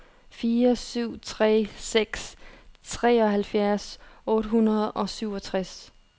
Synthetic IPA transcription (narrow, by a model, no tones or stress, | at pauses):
fiːɐsyʊ̰t͡sʰʁɛ̰ːseɡ̥st͡sʰʁɛːɒ̽hælfjæɐsɔ̽ːɾəɦunɐð̞ˠʔɒ̽syʊ̰ɒ̽t͡sʰʁas